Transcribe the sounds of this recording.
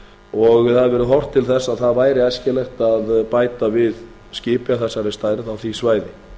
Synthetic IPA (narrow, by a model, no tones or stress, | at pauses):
ɔɣðaðvɛːɾʏɦɔwr̥t̪ʰːɪlθɛsːaðθaðvaːjɾɪajscɛlɛxt̪aðpaːjt̪avɪð | scɪːpjaθɛsːaɾɪst̪aːjɾɪðawθvisvaːjðɪ